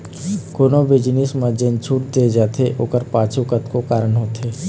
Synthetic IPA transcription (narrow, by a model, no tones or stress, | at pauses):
koːnobɪd͡ʒnɪsmãd͡ʒent͡ʃʰuːʈd̪ed͡ʒaːt̪ʰeʔoːkəɾpaːt͡ʃʰukət̪kokaːɾəɳɦoːt̪eː